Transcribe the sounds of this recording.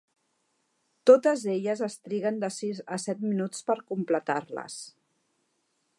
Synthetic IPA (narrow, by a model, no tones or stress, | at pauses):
t̪ot̪əzeʎəzəst̪ɾiɣənd̪əsizəsɛt̪minut͡spəɾkumplət̪aɾlə̰s